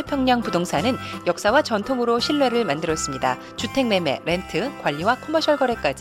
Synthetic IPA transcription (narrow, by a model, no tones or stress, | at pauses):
epʰjʌŋɲaŋpudoŋsʰanɯnjʌk̚s͈awat͡ɕʌntʰoŋɯɾoɕʰiɭːwe̞ɾɯɭmandɯɾʌs͈ɯmɲida | t͡ɕutʰe̞ŋme̞me̞̰ɾe̞ntʰɯkwaʎːiwakʰomʌɕʰjʌɭɡʌɾe̞k͈ad͡ʑi